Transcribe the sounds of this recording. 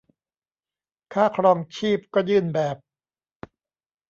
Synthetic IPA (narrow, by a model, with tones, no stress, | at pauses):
kʰaː˥˩kʰɾɔː˧ŋt͡ɕʰiː˥˩p̚kɔː˥˩jɯː˥˩nbɛː˨˩p̚